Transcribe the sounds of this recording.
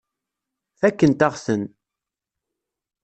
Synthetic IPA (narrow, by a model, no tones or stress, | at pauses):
θækːənt̪aʁsən